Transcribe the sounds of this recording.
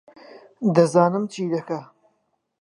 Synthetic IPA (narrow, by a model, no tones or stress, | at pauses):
d̪ɐzɑːnɨmt͡ʃiːd̪ɐkɐ